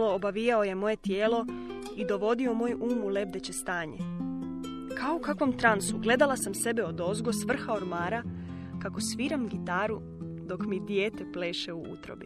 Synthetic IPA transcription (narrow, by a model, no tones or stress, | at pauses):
lo̞ːbaʋijao̞je̞mo̞je̞t̪je̞ːlo̞ | id̪o̞ʋo̞d̪io̞moːjuːmule̞b̚d̪e̞t͡ɕe̞st̪aːɲe | kaoukakʋo̞mt̪ɾansuɡle̞d̪alˠasamse̞beod̪o̞zɡosʋr̩xao̞ɾmaːɾa | kako̞sʋiːɾamɡit̪aːɾu | d̪o̞kmid̪jeːt̪eple̞ːʃeuṵt̪ɾo̰bi